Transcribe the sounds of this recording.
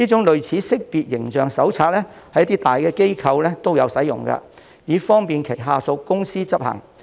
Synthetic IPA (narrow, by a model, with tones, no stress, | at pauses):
iː˥t͡sʊ˨˥ŋlɵ˨ɥt͡sʰiː˨˥sɪ˥k̚piː˨t̚jɪ˨˩ŋt͡ʃœː˨ŋsɐ˨˥wt͡sʰaː˧t̚lɛ˥hɐ˨˥jɐ˥t̪iː˥t̪aː˨jkɛː˧ke˥jkʰɐ˨˧wlɛː˥t̪o˥wjɐ˨˧wsɐ˨˥jʊ˨˩ŋkɐ̰˧ | jiː˨˥fɔː˥ŋpiː˨nkʰe˨˩jɦaː˧so˧wkʊ˥ŋsiː˥t͡sɐ˥p̚hɐ̰˨˩ŋ